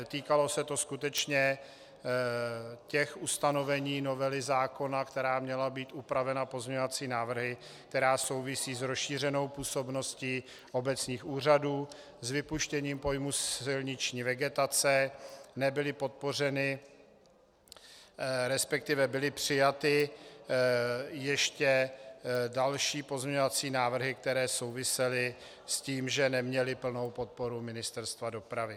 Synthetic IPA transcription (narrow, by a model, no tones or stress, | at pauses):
t̪iːkalo̞sɛt̪o̞skut̪ɛt͡ʃɲɛ | cɛxust̪ano̞vɛɲiːno̞vɛlɪzaːko̞nakt̪ɛɾaːmɲɛlabiːt̪upɾavɛnapo̞zmɲɛɲovat͡siːnaːvr̩ɦɪ | k̚t̪ɛɾaːso̞wvɪsiːzɾosʃiːr̝ɛno̞wpuːso̞bno̞sciː | ʔo̞bɛt͡sɲiːxuːr̝aduː | zvɪpuʃcɛɲiːmpo̞jmusɪlɲɪt͡ʃɲiːvɛɡɛt̪at͡sɛnɛbɪlɪpo̞t̪̚po̞r̝ɛnɪ | ɾɛspɛk̚t̪ɪvɛbɪlɪpr̝̥ɪjat̪ɪ | jɛʃcɛ | dalʃiːpo̞zɲɛɲovat͡siːnaːvr̩ɦɪk̚t̪ɛɾɛːso̞wvɪsɛlɪ | sciːmʒɛnɛmɲɛlɪpl̩no̞wpo̞t̪̚po̞ɾumɪnɪst̪ɛɾst̪vado̞pɾavɪ